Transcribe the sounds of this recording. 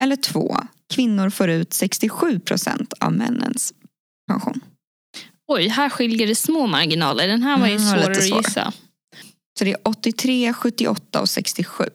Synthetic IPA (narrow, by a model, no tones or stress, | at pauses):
ɛlːəʈʰv̥o̰ːkʰvɪnːʊɾfoːɾʉ̟ːt̪sɛkst̪ɪɧʉ̟ːpʰɾʊsɛ̰nt̪ʰa̰vmɛ̰nːə̰ns | pʰanɧṵːn | ɔjɦæːɾɧɪljəɖɛsmoːmaɾɡɪnɑ̰ːləɖɛnɦæːɾvaɾjalːɾəɾsɔjoːɪɾsːa̰ | sɔd̪ɛæʔɔt̪ːɪt̪ʰɾeːɧɵt̪ːɪʔɔt̪ːaɔsɛkst̪ɪɧʉ̟ː